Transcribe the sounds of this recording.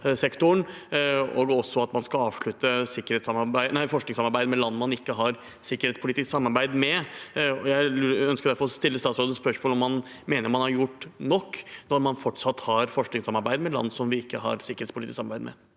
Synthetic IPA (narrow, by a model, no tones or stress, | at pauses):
sɛkt̪ʊɳ | o̰ːɡɔsːɔɑt̪mɑnskɑɑːʋʂɭʉt̪əsɪkːəɾhɛːt̪sɑmɑɾbæɪnæɪfɔʂknɪŋsɑmɑɾbæɪd̪əmɛlɑnːmɑnɪkːəɦɑɾ | sɪkːəɾeːt̪spʊlɪt̪ɪsksɑmːɑɾbæɪd̪mɛɔjæɪœnskəɾd̪æɾfɔɾɔst̪ɪlːəst̪ɑːt̪sɾoːd̪əspœʂmoːlɔmːɑn | meːnəɾmɑnhɑɾjʊʈːnɔkːnɔɾmɑnfɔʈʂɑt̪ːhɑɾfɔʂknɪŋsɑmːɑɾbæɪd̪əmɛlɑ̰nːsɔmʋɪɪkːəɦɑ̰ɾsɪkəɾet̪spʰʊlɪt̪ɪsɑmɑɾbæ̰ɪd̪mɛ̰